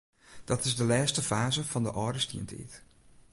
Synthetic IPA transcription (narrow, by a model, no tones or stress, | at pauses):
d̥ɑtɪzdəlɛːstəfaːzəvɑndəʔɔːdəstḭəntḭt